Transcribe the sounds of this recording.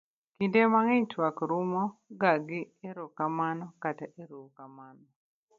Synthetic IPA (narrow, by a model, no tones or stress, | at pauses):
kidemaŋeɲtwakɾumɔɡaɡi | eɾɔkamanɔkataʔeɾuwkamanɔ